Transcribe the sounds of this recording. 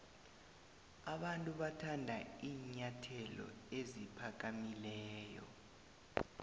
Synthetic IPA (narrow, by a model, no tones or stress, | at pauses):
aɓantʼuɓatʰandʱaiːɲatʰɛlɔ̰ezipʰak̬amilɛːjɔ̰